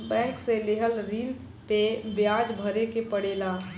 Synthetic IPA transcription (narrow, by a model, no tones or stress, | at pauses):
bɛ̃ːŋkseleɦəlɾin | pebjaːd͡ʒbʱəɾekepəɽeːla